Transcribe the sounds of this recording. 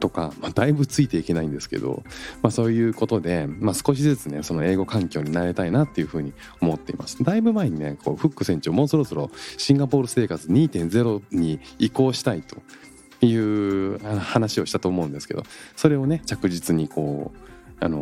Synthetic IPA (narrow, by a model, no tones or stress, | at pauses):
t̪o̞ka̰mad̪̥aibɯ̟t͡sɨit̪e̞ike̞naĩnd̪e̞sɨ̥ke̞̰d̪o̞̰maso̞ːjɯ̟ːko̞t̪o̞d̪e̞maːsɨ̥ko̞ɕ̬izɨt͡sɨne̞so̞no̞e̞ːɡo̞kãŋkʲo̞ːɲ̟inaɾe̞t̪ainat̪ːe̞jɯ̟ɸɯ̟ːɲ̟i | o̞mo̞t̪ːe̞imʔa̰sɨ̥d̪aibɯ̟mae̞ɲ̟inekʰo̞ːɸɯ̟kːɯ̟sẽ̞ɲ̟t͡ɕiomo̞ːso̞ɾo̞so̞ɾo̞ɕĩŋɡapo̞ːɾɯ̟se̞ːkat͡sɨɲ̟iːt̪ẽ̞nd͡ze̞ɾo̞ɲ̟iːko̞ːɕi̥t̪ait̪o̞ | jɯ̟ːanohanaɕio̞ɕi̥t̪at̪oːmo̞ɯ̟̃nd̪esɨ̥ke̞̰d̪o̞̰so̞ɾe̞o̞ne̞t͡ɕakɯ̟ʑit͡sɨɲ̟iko̞ːa̰no̞̰